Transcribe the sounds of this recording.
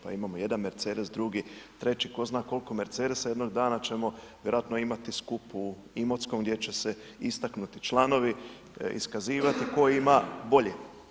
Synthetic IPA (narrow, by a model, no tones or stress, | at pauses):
pa̰imamoje̞d̪anmeɾt̪seːd̪esd̪ɾuɡit̪ɾe̞t͡ʃiko̞znaːko̞lko̞meɾt̪seːd̪esje̞d̪no̞ɡd̪aːnat͡ɕe̞mo̞ | ʋjeɾoat̪noimat̪iskupu | imo̞t̪skomɡd̪ʲje̞t͡ʃe̞se | ist̪aknut̪it͡ʃlˠano̞ʋi | ḭskaziːʋat̪iko̞jimabo̞ʎe